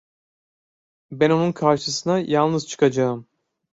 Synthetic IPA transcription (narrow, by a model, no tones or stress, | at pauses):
bæno̞nunkʰaɾʃɯsɯnajalˠnɯz̥t͡ʃʰɯ̥kʰad͡ʒaɯm